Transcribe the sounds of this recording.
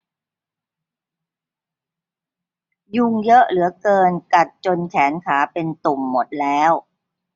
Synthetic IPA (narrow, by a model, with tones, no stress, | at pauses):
ju˧ŋjɤ˦˥ʔlɯ˩˦ɐkɤː˧nka˨˩t̪̚t͡ɕo˧nt͡ɕʰɛː˩˦nkʰaː˩˦pe˧nt̪u˨˩mːo˨˩t̪̚lɛː˦˥w